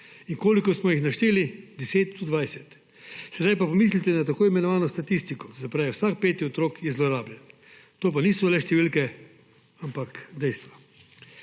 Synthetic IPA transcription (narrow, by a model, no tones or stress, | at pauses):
iŋkoːlikɔsmɔjixnaʃt̪eːlid̪ɛseːt̪̚d̪ud̪ʋaːjsɛt̪ | sɛd̪ajpapɔmiːs̬lit̪ɛnat̪akoːimɛnɔʋaːnɔst̪at̪ist̪ikɔzapɾaːʋɛwsak̚peːt̪iɔt̪ɾoːkjɛzlɔɾaːbljɛn | t̪oːp̬aniːsɔlɛʃt̪ɛʋiːlkɛ | ampakd̪ɛjst̪ʋa